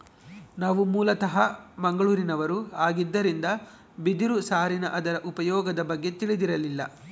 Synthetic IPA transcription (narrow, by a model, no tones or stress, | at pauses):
naːʋumuːlɐt̪ɐɦɐmɐŋɡɐɭuːɾinɐʋɐɾuaːɡid̪ːɐɾind̪ɐ | bid̪iɾusaːɾinɐ̰ʔɐd̪ɐɾɐʔupɐjɔːɡɐd̪ɐbɐɡːe̞t̪iɭid̪iɾɐlilːɐ̰